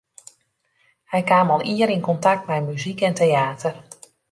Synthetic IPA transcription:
hɛjkaːmɔlˠiəɾinkɔntak̚tmɛjmyzikɛntejaːtʰər

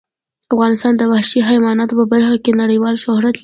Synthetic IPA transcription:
afɣɑnɪst̪ɑnd̪əbahʃiɦajmɑnɑt̪opəbaɾxakenaɽəjwɑlʃʊhɾat̪l

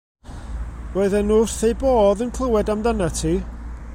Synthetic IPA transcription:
oɨðɛnʊr̥θejboːðənkʰl̥ˠəwɛdamdanatʰiː

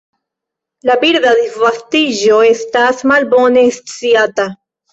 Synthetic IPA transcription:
labiɾdad̪ivastiʒo̞e̞stasmalbo̞ne̞st͡siata

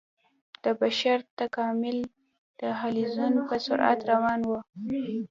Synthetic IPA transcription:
d̪̥əbaʃaɾt̪akɑmɪl | d̪̥əɦalizunpəsʊ̰ɾʔa̰t̪ɾawɑnwu

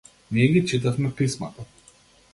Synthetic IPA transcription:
mijɛɡʲit͡ʃit̪afmɛpismat̪a

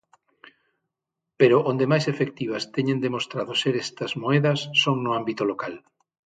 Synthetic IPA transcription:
peɾoʔond̪emajsefek̚t̪iβ̞ɐst̪ɛɲẽnd̪emost̪ɾaðoseɾest̪ɐzmoɛðɐsːoŋnʊambit̪olokal

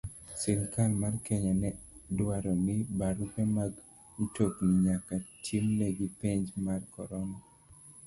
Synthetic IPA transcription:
sɪŋkalmarkɛɲɔnɛdwaɾɔnɪbaɾupɛmaɡ | ntoknɪɲakatʰimnɛɡipeɲd͡ʒmarkɔ̰ɾɔna

